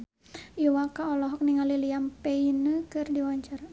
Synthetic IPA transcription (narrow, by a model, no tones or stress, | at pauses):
iwakaɔlɔɦɔk̚niŋaliliampeinəkɨrdiwaɲt͡ʃar